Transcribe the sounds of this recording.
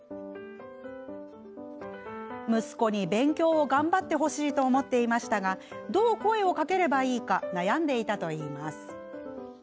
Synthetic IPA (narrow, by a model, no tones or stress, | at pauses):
mɯ̟sɨ̥ko̞ɲ̟ibẽ̞ŋkʲo̞ːoɡãmbat̪ːe̞ɦo̞ɕiːt̪o̞ːmo̞t̪ːe̞imaɕi̥t̪aɡad̪o̞ːko̞e̞o̞kake̞ɾe̞baiːkanajãnd̪e̞it̪at̪o̞iːmasɨ̥